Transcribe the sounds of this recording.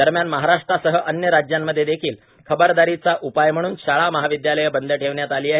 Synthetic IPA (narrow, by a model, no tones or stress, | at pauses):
d̪əɾmjanməɦaɾaʂʈɾasəɦəʔənjəɾad͡ʑjamːəd̪ʱːjed̪ekʰiːl | kʰəbəɾd̪aɾit͡saʔupajm̤əɽ̃uːnɕaɭaməɦaʋid̪jaləjəbənd̪əʈʰeʋɳjat̪aliːaɦe